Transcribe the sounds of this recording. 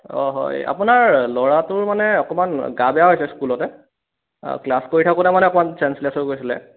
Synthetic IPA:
ɔ̰ɦɔ̰ja̰punaɹlɔɹatʊɹmanɛɔkɔmanɡabɛjaɦojsɛskulɔtɛ̰ | klaskoɹitʰakɔtamanɛɔkɔmansɛnsliasɔɹɡoɹjsilɛ̰

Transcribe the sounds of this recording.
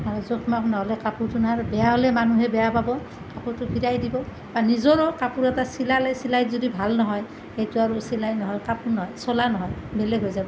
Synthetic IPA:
aɹɔzokʰmaknɔɦɔlɛkapuɹtunaaɹbɛjaɦɔlɛmanuɦɛbɛjapabɔ | kapuɹtʊpʰiɹajdibɔ | banizɔɹɔkapuɹɛtasilalɛsilajzodibʱalnɔɦɔj | xejtuaɹusilajnɔɦɔjkapuɹnɔɦɔjsɔlanɔɦɔjbelɛɡʱɦojzabɔ

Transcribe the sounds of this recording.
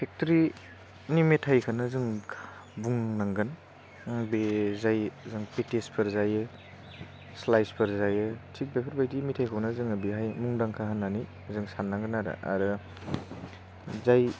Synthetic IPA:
pʰek̚tɾi | nimetʰajkʰanɯzɯŋʰ | buŋnaŋɡɯn | bezajzɯŋpetespʰɯɾzajɯ | slajspʰɯɾzajɯtʰik̚bepʰɯɾbajdimitʰajkʰawnazɯŋɐbiɦajmuŋdaŋkʰaɦanːani | zɯŋsanːaŋɡɯnːaɾa̰ʔa̰ɾɯ | zaj

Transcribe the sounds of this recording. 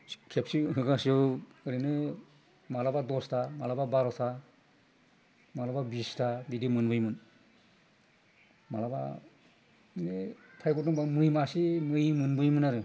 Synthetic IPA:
kʰep̚siɦɯɡasiɔɾɯnɯ | malabadɔstʰamalababaɾɔsa | malababistʰadidimɯnbɯjmɯn | malaba̰ | nepʰajɡɔtɔŋbamɯjmasimɯjmɯnbɯjmɯnaɾɯ

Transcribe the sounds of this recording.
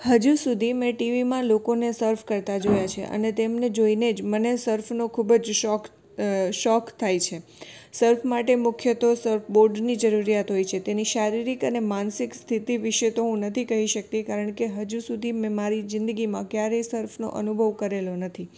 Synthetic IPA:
həd͡ʒusud̪ʱimɛ̃ʈiʋimãlokonesəɾfʰkəɾt̪ad͡ʒojat͡ʃʰḛʔə̰net̪emned͡ʒoined͡ʒmənesəɾfʰnokʰubəd͡ʒʃɔk | ʃɔkt̪ʰajt͡ʃʰesəɾfʰmaʈemʊkʰjət̪osəɾfʰboɾɖnid͡ʒəɾuɾijat̪ɦojt͡ʃʰet̪eniʃaɾiɾikənemansikst̪ʰit̪iʋiʃet̪oɦũnət̪ʰikəɦiʃək̚t̪ikaɾəɳ̃keɦəd͡ʒusud̪ʱimɛ̃maɾid͡ʒɪ̃nd̪əɡimãkjaɾesəɾfʰno̰ʔə̰nubʱəʋkəɾelonət̪ʰi

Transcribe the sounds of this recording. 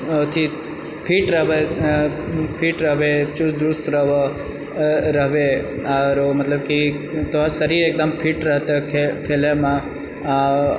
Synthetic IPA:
ot̪ʰi | pʰiːʈɾɐɦʋe | pʰiːʈɾɐɦʋet͡ʃusd̪ust̪ɾɐʋ | ɾɐɦʋeaɾomɐt̪ləbki | t̪oɦasɐɾiɾeːk̚d̪əmpʰiːʈɾɐɦt̪akʰekʰeːlemã

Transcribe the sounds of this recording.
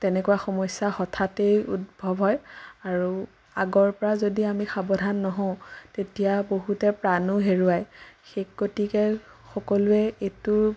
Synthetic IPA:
tɛnɛkuwaxɔmɔsːaxɔtʰatejutbʱɔbɦɔjaɹu | aɡɔɹpɔɹazodiamixabɔdʱanːɔɦɔ̃ʊ̃tetijaboɦutɛpɹanuɦeɹuajxekɡotikɛ | xɔkɔlʊɛetʊ

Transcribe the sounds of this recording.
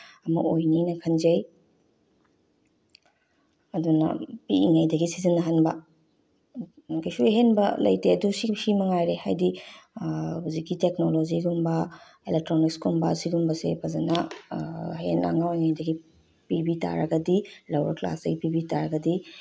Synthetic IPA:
ɐmɐ̰ʔojninɐkʰɐnd͡ʒɐj | ɐdunɐ̰piiŋɐjdɐɡisizinːɐɦɐnbɐ | kʰɐjsueɦenbɐlɐ̰jteɐdusisimɐŋajɾeha̰jdi | huzikɡiteknoloziɡumbɐ | elek̚tɾonikskumbɐ̰siɡumbɐsḛpʰɐzɐnɐ | hena̰ŋawiŋajdɐɡi | pibita̰ɾɐɡɐdilɐwɾɐ̰kla̰sdɐɡipibitaɾɐɡɐdi

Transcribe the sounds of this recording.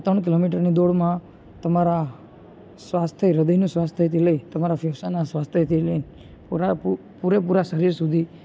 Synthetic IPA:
t̪əɳk̬ɪlomiʈ̬əɾnid̪oɽmã | t̪əmaɾa | sʋast̪ʰəɾəd̪əjnũsʋast̪ʰət̪ʰiləit̪əmaɾafɛʋsanasʋast̪ʰjət̪ʰilən | puɾap | puɾepuɾaʃəɾiɾsud̪ʱi

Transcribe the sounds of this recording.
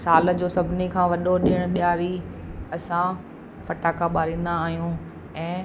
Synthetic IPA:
saːl̆d͡ʑoːsɐbʱɪnikʰãːʋɐɗoɗɪɽ̃̆ɓɪjaːɾiɐsã | fɐʈaːkaɓaːɾĩːnd̪aːɦijũ | ɛ̃ː

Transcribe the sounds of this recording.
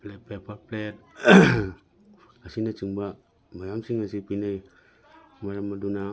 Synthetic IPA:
plɛpepaplɛt̪̚ | asinat͡ʃiŋba | majamsiŋasipinaj | maɾamaduna

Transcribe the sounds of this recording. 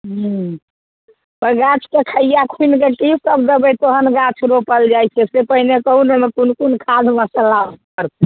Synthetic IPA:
ɦ | pəɾɡat͡ʃʰkekʰəijakʰunkekisəbd̪əbəjt̪oɦənɡãt͡ʃʰɾopəld͡ʒajt͡ʃʰɛsepəɦinekəunomekunkunkʰad͡ʒmasə̃lab̪kəɾt̪ɛ

